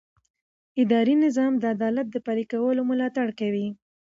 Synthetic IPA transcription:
ɪd̪ɑɾinɪzɑmd̪əad̪ɑlat̪̚d̪əpaɾikawəlomʊlɑt̪aɽkawi

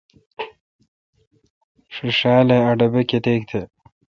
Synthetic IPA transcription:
ʂuʂaːleɐɖɐbeket̪eːk̚t̪ʰe

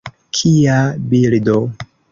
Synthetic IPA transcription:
kʰiabildo

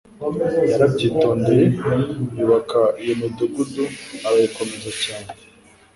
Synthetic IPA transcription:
jaɾabɟiːtoːndebjuːβakaijomiduɡuduaɾajikomezacaːne

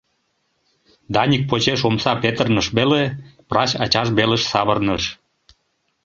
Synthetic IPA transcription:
d̪ɑnʲik̚pot͡ɕeʃomsɑpet̪ərnəʃβeleprɑɕɑ̰t͡ɕɑʃβeleʃsɑβərnəʃ

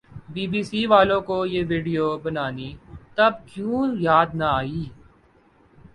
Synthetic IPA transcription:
biːbiːsiːʋaːlõkojeːʋiːɖijoːbɐnaːniːt̪ɐb̚kjũːjaːd̪nɐaːiː

